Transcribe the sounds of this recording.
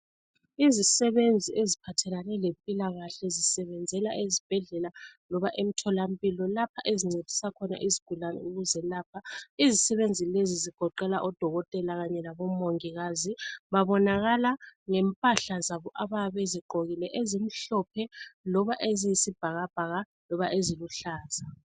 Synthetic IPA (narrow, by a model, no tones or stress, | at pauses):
izisɛβend͡zʱiezipʰatʰɛlanɛlempʼilaɣaɬɛzisɛβɛnd͡zʱɛlaʔezib̥ʱɛɮɛlalɔβaʔem̩tʰɔlam̩pʼilɔlapʰaʔeziŋ͡ǀed̥ʱi̥sakʰɔna̰ʔiziɡ̥ʱulanɛ̰uɣuzɛlaːpʰaizisɛβend͡zʱileziziɡ̥ʱɔǃɛlaʔɔd̥ʱɔɣɔtʼɛlaɣaɲɛlaβɔmoŋiɣaziβaβɔnaɣalaŋɛmpʼaɬazaβɔʔaβaβeziɡ͡ǃʱoɣilɛʔezim̩ɬɔpʰɛlɔβaʔezijisib̥ʱaɣab̥ʱaɣa | lɔβaʔeziluɬaːza